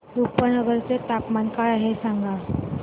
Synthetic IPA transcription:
ɾupənəɡəɾt͡set̪apmankaɭaɦesaŋɡa

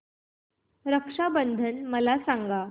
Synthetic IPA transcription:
ɾəkʂabənd̪ʱənməlasaŋɡa

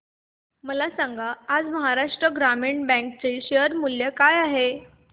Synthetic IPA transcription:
məlasãŋɡaːd͡zməɦaɾaʂʈɾəɡɾamiɳbɛ̃ŋk̚t͡seɕejəɾmuljəkajaɦe

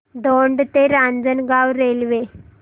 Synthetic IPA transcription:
d̪oɳɖt̪eɾand͡zənɡawɾelʋe

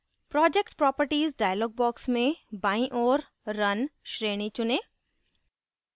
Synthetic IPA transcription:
pɾɔːd͡ʒekʈpɾɔːpəɾʈiːzɖaːɪjəlɔːɡ̚bɔːksmẽbaːĩʔɔːɾ | ɾɐnʃɾeːɽ̃it͡ʃʊnẽː

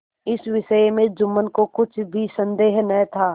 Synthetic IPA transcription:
ɪsʋɪʃəjmẽd͡ʒʊmːənkokʊt͡ʃʰbʱisɐ̃nd̪eːɦnɐ̃t̪ʰaː

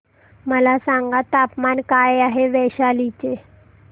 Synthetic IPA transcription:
məlasaŋɡat̪apmankajaɦeʋɛɕalit͡ɕe

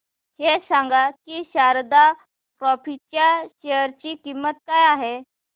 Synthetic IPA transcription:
hesãŋɡakiːɕaɾd̪a | pɾɔfit͡ɕjaɕejəɾt͡ɕiːkimːət̪̚kajaɦe

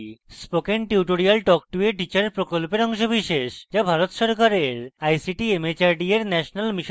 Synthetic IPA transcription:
spokenʈiuʈoɾialʈɔk̚ʈueʈit͡ɕaɾpɾokolpeɾɔŋʃobiʃeʃd͡ʑabʱaɾot̪ʃɔɾkaɾeɾajsiʈiemet͡ɕaɾɖieɾnɛʃonalmiʃ

